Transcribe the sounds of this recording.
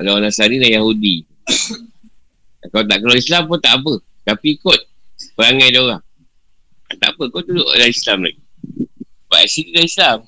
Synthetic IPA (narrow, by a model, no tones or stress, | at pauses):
alawanasaɾilahjahudi | akawt̪aʔkalawislampunt̪aʔap̬ə | t̪apikot̪̚ | pəɾaŋajdoɣaŋ | at̪aapəkot̪̚dudoʔʔdaislamla̰ɡi | baasit̪idaislam